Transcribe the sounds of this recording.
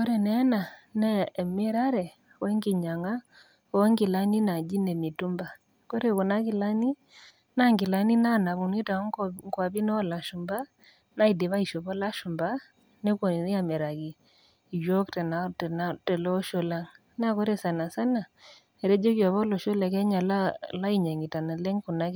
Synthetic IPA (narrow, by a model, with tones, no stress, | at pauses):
kɔ˦ɾɛ˨nɛ˦na˨nɛ˦˨mɛ˦ɾa˦ɾɛ˨ | wɛ˦ŋɡi˨ɲa˨ŋa˦ | ŋɡɪ˨la˦ni˦na˨d͡ʒi˦nɛ˨mi˨tu˦mba˨ | kɔ˦ɾe˦kɔ˨na˦kɪ˨la˦ni˦ | na˦ŋɡɪ˨la˦ni˦na˦na˨βu˨ni˦ta˨˦ŋŋɡwa˨βi˦nɔ˦la˨ʃu˨mba˦ | na˦i˨de˨βa˦i˨ʃɔ˨pɔ˦la˦ʃu˨mba˦ | ne˦ko˨˦a˦mɛ˨ɾa˨ki˨ | jo˦ktɛ˨na˨tɛ˨natɛ˨lɔ˦ʃɔ˦la˦ŋ | na˦kɔ˦ɾɛ˦sa˨na˨sa˦na˨ | ɛ˨ɾɛ˦d͡ʒɔ˦kjɔ˨βɔ˦lɔ˨ʃɔ˦la˨kɛ˦ɲa˨la˦la˦i˦˨ɲa˨ŋi˨ta˨na˨lɛ˦ŋku˨na˦